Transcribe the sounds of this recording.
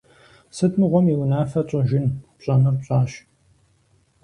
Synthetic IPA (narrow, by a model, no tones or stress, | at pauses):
sɨtʰmɨʁʷɔmiwnaːfɐɕʼɨʒɪnpɕʼɐmɨrpɕʼaːɕ